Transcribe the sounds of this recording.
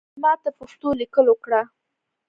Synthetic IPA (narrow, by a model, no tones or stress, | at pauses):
mɑt̪apoʂt̪olikəlokɽa